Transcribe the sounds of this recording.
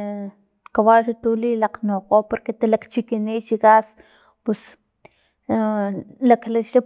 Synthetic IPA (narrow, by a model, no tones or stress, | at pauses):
kawalʃat̪ulilaqnoqopoɾket̪alakt͡ʃikinit͡ʃikas | pes | laklaʃa